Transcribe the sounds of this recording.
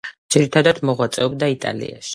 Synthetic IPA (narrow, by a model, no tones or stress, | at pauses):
dd͡ʒ̥iɾit̪ʰad̪ad̪mɔʁwat̪sʼɛɔb̚d̪ait̪ʼa̰lḭa̰ʃi̥